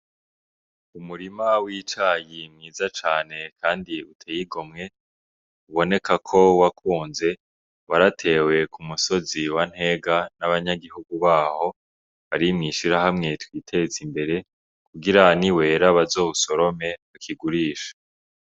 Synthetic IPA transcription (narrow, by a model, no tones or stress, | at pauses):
umuɾimawiːt͡ʃaːjimŋiːzat͡ʃaːne̞kʰaːndiutʰejiɡo̞mŋe̞ | uβo̞ne̞kʰakʰo̞wakʰuːnze̞ | waɾatʰe̞ːwe̞kʰumuso̞ziwan̥he̞ɡanaβaɲaɡiɦuɡuβaːho̞ | βaɾimŋiʃiɾahamŋe̞twiːtʰe̞zimbe̞ɾe̞ | kuɡiɾaniwe̞ːɾaβazo̞ːβuso̞ɾo̞me̞βakʰiɡuɾiːʃḁ